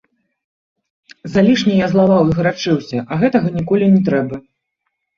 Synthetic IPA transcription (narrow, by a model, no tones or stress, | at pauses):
zalʲiʂnʲɛjazlˠavawiɣɾat͡ʂɨwsʲɐʔɐɣɛt̪ɐɣɐnʲikɔlʲinʲɛt̪ɾɛbɐ